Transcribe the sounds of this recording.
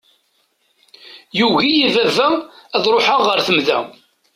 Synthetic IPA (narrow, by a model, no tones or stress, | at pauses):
juɣijivævææðɾˤoħaʁəɾθəmðæ̰